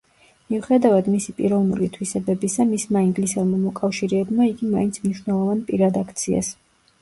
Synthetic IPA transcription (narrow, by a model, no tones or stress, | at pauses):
miuχɛd̪avad̪misipʼiɾɔvnṵlit̪ʰwisɛbɛbisamismaiŋɡlisɛlmamɔkʼafʃiɾɛːbmaiɡimaint̪sʰmniʃwnɛlˠɔvanpʼiɾad̪akʰt̪sʰia̰s